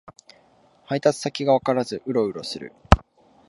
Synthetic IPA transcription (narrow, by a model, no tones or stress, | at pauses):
hait̪at͡sɨ̥sakʲiɡaβakaɾazɨʔɯ̟ɾo̞ɯ̟ɾo̞sɨɾɯ̟̰